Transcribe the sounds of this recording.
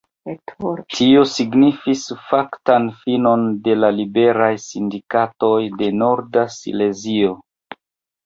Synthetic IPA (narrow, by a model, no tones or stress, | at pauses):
tʰio̞siɡnifisfaktanfino̞nde̞lalibe̞ɾajsindikato̞jde̞no̞ɾdasḭle̞zio̞